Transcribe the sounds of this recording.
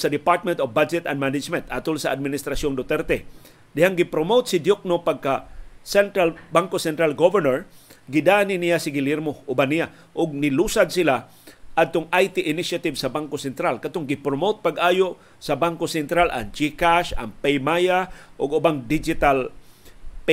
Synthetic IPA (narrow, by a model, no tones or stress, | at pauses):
sɐd̪ɪpaɹt̪̚mɛnt̪ofbad͡ʒɛt̪a̰nd̪manɪd͡ʒmɛnt̪ʔat̪ʊlsaʔad̪̚mɪnɪst̪ɾasjond̪ot̪ɛɾt̪ɛ | d̪ɪhaŋɡɪpɾomowt̪̚sɪd̪jok̚nopaɡ̚kasɛnt̪ɾalbaŋkosɛnt̪ɾalɡovɛɹnɛɹɡɪd̪anɪnɪjasɪɡɪlɪɾmoʔʊbanɪja | ʔʊɡ̚nɪluːsad̪̚sɪla | ʔad̪̚t̪ʊŋʔajt̪ɪʔɪnɪʃat̪ɪvsɐbaŋkosɛnt̪ɾalkat̪oŋɡɪpɾomot̪̚paɡʔaːjoʔ | sɐbaŋkosɛnt̪ɾala̰ŋd͡ʒikaʃa̰ŋpɛjmajaʔʊɡʊbaŋd̪ɪd͡ʒɪt̪al | p